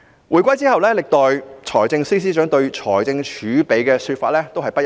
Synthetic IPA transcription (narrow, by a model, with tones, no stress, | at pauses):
wʔuː˨˩jkʷɐ˥jt͡siː˥hɐ˨wlɛː˥lɪ˨k̚t̪ɔː˨jt͡ʃʰɔː˨˩jt͡sɪ˧ŋsiː˥s̬iː˥t͡ʃœː˨˥ŋt̪ɵ˧ɥt͡ʃʰɔː˨˩jt͡sɪ˧ŋt͡ʃʰyː˨˥pe˨˧jkɛː˧syː˧t̚faː˧t̚lɛː˥t̪o˥whɐ˨jpɐ˥˨